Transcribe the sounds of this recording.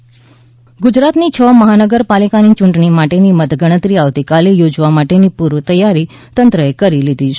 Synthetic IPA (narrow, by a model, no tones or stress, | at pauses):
ɡud͡ʒɾat̪nit͡ʃʰəməɦanəɡəɾpalikanit͡ʃuɳʈɳimaʈenimət̪ɡəɽ̃ət̪ɾiaʋt̪ikalijod͡ʒʋamaʈenipuɾʋət̪əjːaɾi | t̪ənt̪ɾəekəɾilid̪ʱiʃ